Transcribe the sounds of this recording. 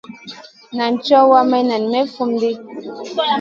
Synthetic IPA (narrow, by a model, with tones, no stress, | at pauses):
na˨n˨t͡ʃɔ˦wa˦mɛ˦na˨n˨mɛ˦fu˦m˦di˦